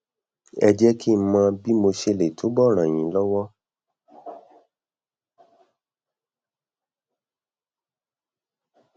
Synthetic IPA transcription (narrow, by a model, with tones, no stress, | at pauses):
ɛ̰˧d͡ʒɛ˦kʰi˦˧m̩˦mãː˧bi˦mo˧ʃe˧le˨tʰo˨˦bɔ˦˨ɾ̃ã˨j̃ĩ˨˦lɔ˦wɔ˦